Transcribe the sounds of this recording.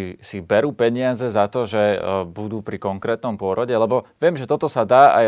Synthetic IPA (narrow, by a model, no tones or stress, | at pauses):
isibɛɾuːpɛɲɪad͡zɛzat̪ɔʒɛbud̪uːpɾikɔŋkɾɛːt̪nɔmpʊɔɾɔɟɛlɛbɔʋɪɛmʒɛt̪ɔt̪ɔsad̪aːa̰j